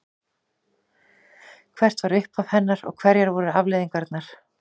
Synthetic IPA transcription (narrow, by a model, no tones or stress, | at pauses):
kʰvɛr̥t̪vaɾʏhpavhɛnːaɾɔ̰ɣkʰvɛɾjaɾvɔɾʏɾavleːðiŋkaɾt̪naɾ̥